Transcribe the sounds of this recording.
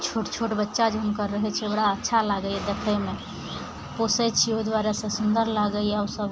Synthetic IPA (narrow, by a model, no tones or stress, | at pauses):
t͡ʃʰoʈt͡ʃʰoʈbətːʃad͡ʒɦənkəɾːəɦɛt͡ʃʰɛbɽaətːʃʰalaɡəɛd̪ekʰəjme | posɛt͡ʃʰioid̪waɾasẽsund̪əɾlaɡəiɛasəb